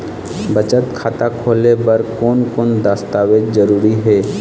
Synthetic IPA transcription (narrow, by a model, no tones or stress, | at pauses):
bət͡ʃət̪kʰaːt̪akʰoːlebəɾkoːnkoːnd̪ast̪aːwed͡ʒzəɾuːɾiɦɛː